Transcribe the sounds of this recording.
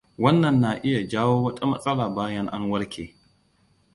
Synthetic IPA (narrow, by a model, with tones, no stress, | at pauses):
wɐ˦nːɐ˨nːa˨ʔɪ˦ja˨d͡ʒaː˦woː˦wɐ˦tʼa˦mɐ˦sʼɐ˦laː˨baː˦jɐ˦ŋʔa̰˦ŋwɐ˦ɽkʲʰeː˨